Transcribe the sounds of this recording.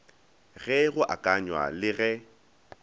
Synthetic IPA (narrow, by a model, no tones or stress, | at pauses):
ɣɛɣʊʔa̰kʼaɲwa̰lɪɣɛ